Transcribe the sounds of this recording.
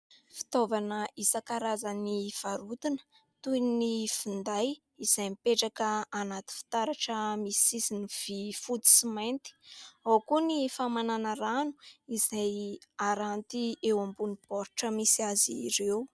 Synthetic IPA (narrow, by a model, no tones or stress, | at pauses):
fi̥t̪ovanəʔisakaɾazaniv̥aɾut̪inə̥ | t̪ujnifind̪aj | iz̥ajmipeʈ͡ʂakəanat̪i̥fi̥t̪aɾaʈ͡ʂəmisisiniv̥ifut̪i̥simajnt̪i̥awkunifamananəɾanu̥iz̥ajaɾant̪iewambunipɔɾʈ͡ʂəmisiaziɾew